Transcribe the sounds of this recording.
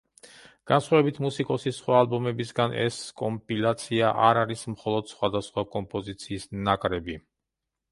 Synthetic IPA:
ɡ̥ansχwavɛbit̪ʰmusikʼɔsisχwaːlˠbɔmɛbisɡanʔɛ̰skʼɔmpʼilat̪sʰiaʔaɾaɾismχɔlˠɔd̪̥sχwad̪asχwakʼɔmpʼɔzit̪sʰiːsnakʼɾɛbi

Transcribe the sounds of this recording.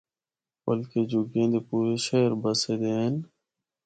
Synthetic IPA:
bəlkeːd͡ʒʊɡẽːd̪eːpuːɾeːʃeːɾbəseːd̪eːɦən

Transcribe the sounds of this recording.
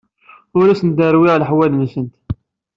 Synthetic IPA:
ʊɾæsənd̪əɾwɪʁlħwælnsənt̪

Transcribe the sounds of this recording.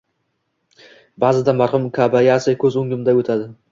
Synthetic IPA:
bazɪd̪amaɾhʊmkʰabajasɪkʲʰɵzʊŋɡʲɪmd̪aɵt̪ʰad̪ɪ

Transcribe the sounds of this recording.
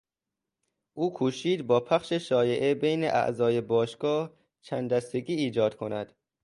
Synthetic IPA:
ʔuːkʰuːʃiːd̪bɒːpʰæχʃeʃɒːje̞ʔebejneʔæ̰ʔzɒːjebɒːʃɡ̥ɒːh | t͡ʃʰænd̪d̪æst̪eɡiːiːd͡ʒɒːd̪̥kʰonæd̪̥

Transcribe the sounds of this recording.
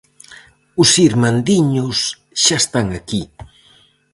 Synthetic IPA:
usiɾmand̪iɲus | ʃast̪aŋaki

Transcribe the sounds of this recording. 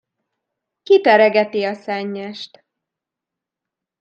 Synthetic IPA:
kit̪ɛɾɛɡɛt̪iɒsɛɲːɛʃt̪

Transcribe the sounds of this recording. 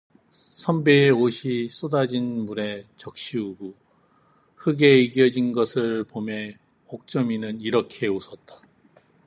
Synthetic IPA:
sʰʌmbeːoɕʰis͈odad͡ʑinmuɾe̞t͡ɕʌk̚ɕ͈iuɡu | hɯɡe̞iɡjʌd͡ʑinɡʌsʰɯɭpome̞ | hok̚t͡ɕ͈ʌminɯniɾʌkʰe̞usʰʌt̚t͈ḁ

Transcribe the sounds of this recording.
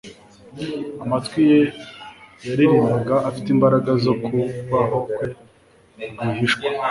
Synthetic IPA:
amatkwije | jaɾiɾindaɡaʔːfitimbaɾaɡazo̞kuβaɦokwe | ɡaɦiʃkwḁ

